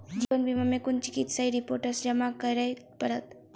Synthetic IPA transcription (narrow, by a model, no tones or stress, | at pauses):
d͡ʒiʋənbʱimamẽkʊnt͡ʃi̥kit̪səiɾipoːɾʈəɾsd͡ʒəmakəɾəj̪ | pəɾət̪